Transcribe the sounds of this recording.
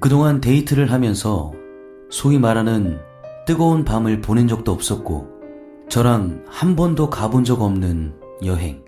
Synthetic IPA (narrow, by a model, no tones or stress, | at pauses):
kɯdoŋante̞itʰɯɾɯɭɦamjʌnsʰʌ | sʰoimaɾanɯn | t͈ɯɡʌunpamɯɭponend͡ʑʌk̚t͈oʌp̚s͈ʌt̚k͈o̰ | t͡ɕʌɾaŋhambʌndokabond͡ʑʌɡʌmnɯn | jʌɦe̞̰ŋ